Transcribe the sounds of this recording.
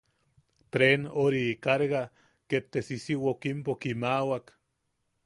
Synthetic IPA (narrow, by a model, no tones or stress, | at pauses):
t̪ɾenoɾikaɾɣa | ket̪ːesisiwokimpokimawak